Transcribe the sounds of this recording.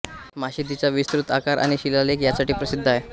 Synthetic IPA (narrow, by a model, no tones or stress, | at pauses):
maɕid̪it͡saʋist̪ɾut̪a̰kaɾʔa̰ɽ̃iɕilalekjasaʈiːpɾəsid̪ʱːaj